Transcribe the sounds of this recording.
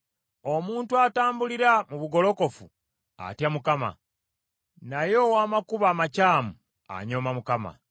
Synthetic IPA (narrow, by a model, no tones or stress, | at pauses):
o̞muːntuataːmbuliɾamuβuɡo̞lo̞ko̞fu | a̰tjamukama̰ | najo̞waːmakuβaːmacaːmu | a̰ɲo̞ːmamukama̰